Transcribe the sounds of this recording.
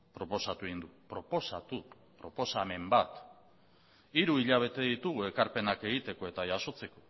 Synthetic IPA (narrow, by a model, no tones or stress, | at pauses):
pɾo̞po̞sat̪uind̪upɾo̞po̞sat̪u | pɾo̞po̞same̞mbat̪ | iɾuiʎaβ̞e̞t̪e̞ðit̪uɣue̞kaɾpe̞nake̞ɣ̞it̪e̞ko̞e̞t̪aʝaso̞t͡se̞ko̞